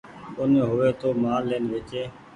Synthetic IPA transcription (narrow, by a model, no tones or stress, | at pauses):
ʊneɦʊʋeːt̪oːmaːlːeːnʋɪt͡ʃeː